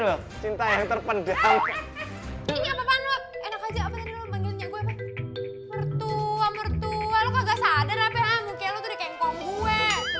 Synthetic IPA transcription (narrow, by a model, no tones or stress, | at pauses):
lɔht͡ʃint̪ajaŋt̪ərpəndal | iɲapapanloenakad͡ʒaapat̪adilomənilɲaɡuɛpa | mərt̪uamərt̪ulalokaɡaʔsadaɾapɛamukɛlot̪udikaŋkɔŋɡuɛ